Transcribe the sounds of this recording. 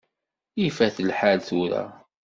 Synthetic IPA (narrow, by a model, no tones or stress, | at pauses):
ifæθəlħalθuɾæ̰